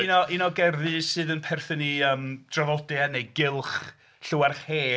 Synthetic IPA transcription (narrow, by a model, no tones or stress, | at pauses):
inɔʔinɔɡɛrðɨsɨːðənpʰɛrθəniəːmd̥ravɔdɪanejɡɪlˠχ | ɬʊwarχheː